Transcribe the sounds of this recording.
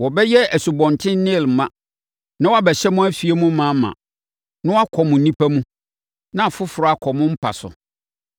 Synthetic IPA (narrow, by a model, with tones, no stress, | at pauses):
wɔ˨bɛ˦jɛ˦æ˨su˨bɔ̃˨ntʰɪ̃˦nɪ̃˦˨l̩˨mã˨ | nã˦wɔ˦a˦bɛ˨ɕɛ˦mʊ̃˦æ˦fi˨e˦mũ˦mã˨˦mã̰˨ | nʊ̃˦wa˦kʰɔ˨mʊ̃˨n̩˦nĩ˦pʰæ˦mũ˦ | nã˨fʊ˦fʊ˨ɾɔ˨˦a˨kʰɔ˨mʊ̃˦m̩˦pʰa̰˨sʊ̰˨